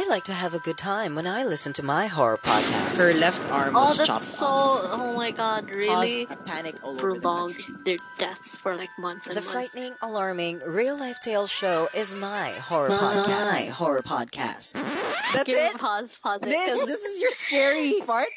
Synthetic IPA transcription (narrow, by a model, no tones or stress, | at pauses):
aɪlaɪk̚tʰɨːvɨɡʊd̚tʰãɪ̃mwə̃ñaɪlɪsn̩tʰɨmaɪɦɔ̰ɹə̰˞pʰɑ̰d̚kʰæ̰shə˞lɛftɑ̰ɹmɔlˠðət͡ʃoʊoʊmaɪɡɑd̚ɹɪiəpʰænɨkəɹəlɔ̃ŋðə˞d̥ɛθsfə˞laɪk̚mʌ̃nθsðɨffɹaɪʔn̩ɪ̃ŋəlɑɹmɪ̃ŋɹilˠlaɪftʰeɪlˠʃoʊʔɪzmaɪhɔɹə˞aɪhɔɹə˞pʰɑ̰d̚kʰæ̰stðætɪtpʰɑzpʰɑzʌðɪsɨzjə˞skɛɹifɑɹt̚